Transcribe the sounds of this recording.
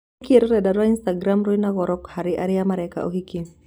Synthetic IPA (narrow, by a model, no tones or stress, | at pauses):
kieɾoɾɛdaɾwainst̪aɡɾamɾoinaɣɔɾɔkhaɾiʔaɾɪjamaɾɛka̰ʔo̰hikin